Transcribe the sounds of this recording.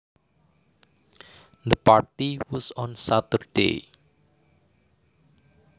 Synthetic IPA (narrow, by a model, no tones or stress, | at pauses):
d̪əpart̪iwɔsɔnsat̪ərd̥ḛ